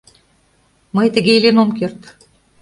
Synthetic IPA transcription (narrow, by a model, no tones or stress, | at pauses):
mɤjt̪ɘ̆ɡʲejlʲenomkʲert̪